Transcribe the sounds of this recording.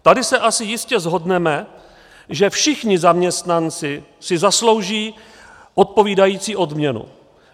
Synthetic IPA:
t̪adɪsɛʔasɪjɪscɛzɦo̞dnɛmɛ | ʒɛfʃɪxɲɪzamɲɛst̪nant͡sɪ | sɪzaslo̞wʒiː | ʔot̪̚po̞viːdajiːt͡siːʔo̞dmɲɛnṵ

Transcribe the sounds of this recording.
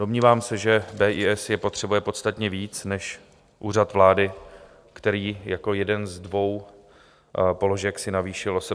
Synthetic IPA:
do̞mɲiːvaːmsɛʒɛbɛːʔiːʔɛsjɛpo̞t̪r̝̥ɛbujɛpo̞t̪st̪at̪ɲɛviːt͡snɛʃ | ʔuːr̝at̪vlaːdɪ | kt̪ɛɾiːjako̞jɛdɛnzdvo̞w | po̞lo̞ʒɛksɪnaviːʃɪlʔosɛ

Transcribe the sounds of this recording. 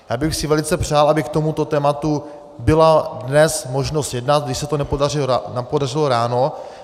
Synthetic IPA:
jaːbɪxsɪvɛlɪt͡sɛpr̝̥aːlʔabɪk̚t̪omut̪o̞t̪ɛːmat̪u | bɪladnɛsmo̞ʒnost̪jɛdnat̪̚ɡdɪʃsɛt̪onɛparɪnapodarɪloɾaːno

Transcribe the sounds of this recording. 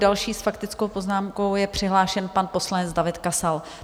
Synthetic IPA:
dalʃiːsfakt̪ɪt͡skowpoznaːmko̞wjɛpr̝̥ɪɦlaːʃɛnpanpo̞slanɛt͡sdavɪt̪kasal

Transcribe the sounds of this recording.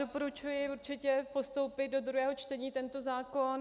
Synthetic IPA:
dopo̞ɾut͡ʃujɪuɾt͡ʃɪcɛpo̞st̪o̞wpɪt̪̚do̞d̪ɾuɦɛːɦo̞t͡ʃt̪ɛɲiːt̪ɛnt̪o̞zaːko̞n

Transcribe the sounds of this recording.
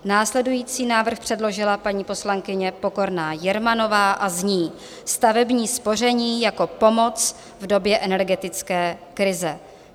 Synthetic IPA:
naːslɛdujiːt͡siːnaːvr̩xpr̥ɛdlo̞ʒɪlapaɲiːpo̞slaŋkɪɲɛpo̞ko̞ɾnaːjɛɾmano̞vaːʔazɲiː | st̪avɛbɲiːspo̞r̝ɛɲiːjako̞po̞mo̞t͡s | vdo̞bjɛʔɛnɛɾɡɛt̪ɪt͡skɛːkɾɪzɛ

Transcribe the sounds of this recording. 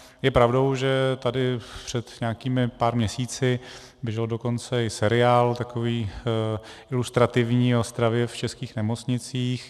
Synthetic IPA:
jɛpɾavdo̞wʒɛt̪adɪpr̥ɛt̪ɲɛakiːmɪpaːɾmɲɛsiːt͡sɪ | bjɛʒɛldo̞ko̞nt͡sɛɪsɛɾɪaːlt̪akoviː | ʔɪlust̪ɾat̪ɪvɲiːost̪ɾavjɛft͡ʃɛskiːxnɛmo̞t͡sɲɪt͡siːx

